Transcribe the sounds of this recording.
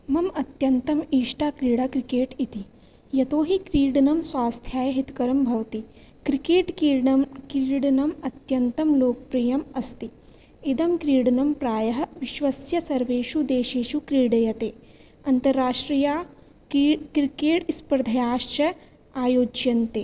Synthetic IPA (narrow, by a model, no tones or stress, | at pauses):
mɐmɐt̪jɐnt̪ɐmiːʃʈaːkɾiːɽɐkɾikeːʈit̪i | jɐt̪oːɦikɾiːɽɐnɐmswaːst̪ʰjaːjɐɦit̪kɐɾɐmbʱɐʋt̪i | kɾikeːʈ | kɾiːɽɐnɐmɐt̪jɐnt̪ɐmloːk̚pɾijɐmɐst̪i | id̪ɐmkɾiːɽɐnɐmpɾaːjɐɦɐ̆ʋiʃʋɐsjɐsɐɾʋeːʃud̪eːʃeːʃukɾiːɽɐjɐt̪eː | ɐnt̪ɐɾːaːʃʈɾijaː | kɾikeːʈispɾɐd̪ʱɐjaːʃt͡ʃɐ | aːjoːd͡ʒjɐnt̪eː